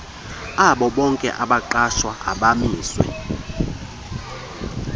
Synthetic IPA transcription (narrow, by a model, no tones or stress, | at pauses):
aɓɔɓɔŋkʼɛ̰ʔaɓaǃaʃwaa̰ɓamiːswɛ̰